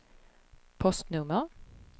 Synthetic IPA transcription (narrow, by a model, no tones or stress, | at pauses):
pʰɔst̪nɵmːəʁ